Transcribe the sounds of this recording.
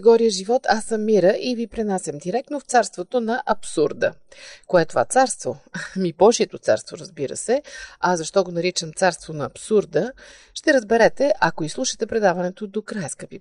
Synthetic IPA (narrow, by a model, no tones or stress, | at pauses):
ɡɔɾijəʒivɔt̪ʰasːəmːiɾəʔivipɾinasʲəmd̪iɾɛk̚t̪noft̪saɾst̪vot̪onɐʔɐpsuɾd̪ə̰koɛt̪ova̰t̪saɾst̪vomibɔʒiɛt̪ot̪sa̰ɾst̪voɾəzbiɾə̰sɛɐzɐʃt̪ɔɡonɐɾit͡ʃəmt̪saɾst̪vonɐːpsuɾd̪ə | ʃt̪ɛɾəzbɛɾɛt̪ɛʔɐkoislˠuʃə̥t̪ɛpɾɛd̪avɐnɛt̪od̪okɾajskəpi